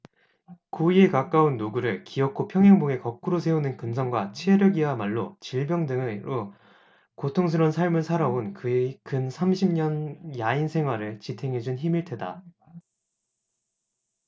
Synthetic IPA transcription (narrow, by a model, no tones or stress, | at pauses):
koie̞kak͈aunːoɡuɾɯɭkiʌk̚k͈ʰopʰjʌŋɦjaŋboŋe̞kʌk͈uɾos̬ʰe̞onɯnkɯnsʰʌŋɡwat͡ɕʰeɾjʌɡiɦamaɭːot͡ɕiɭbjʌŋdɯŋeɾo | kotʰoŋs̬ʰɯɾwʌnsʰaɭmɯɭsʰaɾaonkɯekɯnsʰamɕʰimɲʌnjainsʰe̞ŋɦwaɾɯɭt͡ɕitʰe̞ŋɦe̞d͡ʑunçimiɭtʰeda̰